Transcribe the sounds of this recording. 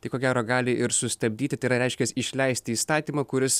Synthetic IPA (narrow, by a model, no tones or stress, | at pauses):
t̪ɐɪkoːɡʲæːɾoːɡɑːlʲɪʔɪɾsʊst̪ɐbʲd̪ʲiːt̪ʲɪt̪ɐɪɾɐɾʲɛɪʃʲkʲɛsɪʃʲlʲɛɪsʲt̪ʲɪiːst̪ɑːt̪ʲiːmɐːkʊɾʲɪs